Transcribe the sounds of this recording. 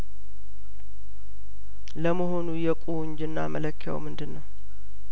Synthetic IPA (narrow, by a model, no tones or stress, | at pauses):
ləməɦo̞nujɛkʼuwʊɲd͡ʒɨnːa̰mələkʰːja̰wmɨnd̪ɨnːəw